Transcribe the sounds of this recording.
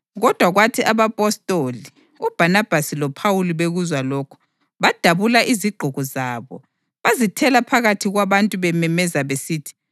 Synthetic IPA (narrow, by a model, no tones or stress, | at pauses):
ɣɔd̥ʱwaɣwatʰiʔaβapʼɔstʼoli | ub̥ʱanab̥ʱasilɔpʰawuliβeɣuzwalɔːkʰɔ̥ | βad̥ʱaβulaʔiziɡ͡ǃʱuɣɔzaːβɔ̰ | βazitʰɛlapʰaɣatʰiɣwaβantʼuβɛmɛmɛzaβesiːtʰi̥